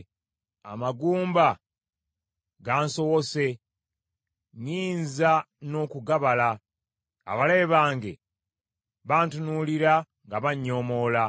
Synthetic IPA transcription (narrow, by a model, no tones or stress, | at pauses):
a̰maɡuːmba | ɡaːnso̞wose̞ | ɲiːnza | no̞ːkuɡaβala | a̰βale̞ːβaːŋɡe̞̰ | βaːntunuliɾa | ŋɡaβaɲːo̞mo̞la